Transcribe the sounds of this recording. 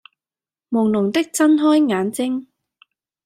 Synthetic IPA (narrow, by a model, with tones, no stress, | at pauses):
mʊ˨˩wnʊ˨˩ŋt̪ɪ˥k̚t͡sɐ˥nɦɔː˥jŋaː˨˥nt͡sɪ˥ŋ